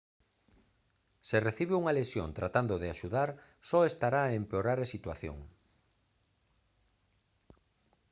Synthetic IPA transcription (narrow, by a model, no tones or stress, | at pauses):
sereθiβeuŋalesjo̰nt̪ɾat̪and̪oðeaʃuðaɾ | sɔest̪aɾaempeoɾaɾasit̪waθjo̰ŋ